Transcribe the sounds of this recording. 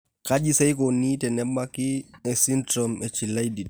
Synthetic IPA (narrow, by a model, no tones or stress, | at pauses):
kad͡ʒisɛjkɔniːtɛnɛɓakiɛsintɾɔmɛt͡ʃilajdi